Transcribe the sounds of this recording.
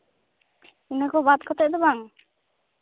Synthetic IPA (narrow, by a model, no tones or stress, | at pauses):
inakɔbad̪kʰɔt̪ɛʔd̪ɔbaŋ